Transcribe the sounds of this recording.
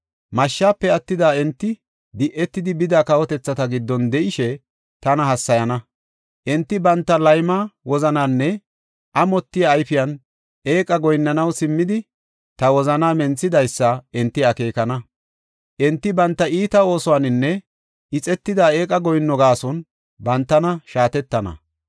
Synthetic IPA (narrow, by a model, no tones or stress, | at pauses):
mɐʃːaːpːɛɐt̪ːɪd̪aːɛnt̪ːɪ | d̪ɪʔːɛt̪ːɪd̪ɪbɪd̪aːkɐwɔt̪ɛt͡sːɐt̪ɐɡɪd̪ːɔnd̪ɛʔɪʃɛ | t̪ɐnɐhɐsːɐjɐnɐ | ʔɛnt̪ːɪbɐnt̪ːɐlɐjmaːwɔzɐnaːnːɛ | ʔɐmɔt̪ːɪjɐːjfɪjɐn | ʔe̞ːkʼɐɡɔjnːɐnɐwsɪmːɪd̪ɪ | t̪ɐwɔzɐnaːmɛnt͡sːɪd̪ɐjsːɐɛnt̪ːɪɐke̞ːkɐnɐ | ʔɛnt̪ːɪbɐnt̪ːɐʔiːt̪ɐo̞ːsɔwanɪnːɛ | ʔɪt͡sʼɛt̪ːɪd̪aːe̞ːkʼɐɡɔjnːɔɡaːsɔn | bɐnt̪ːɐnɐʃaːt̪ɛt̪ːɐnɐ̰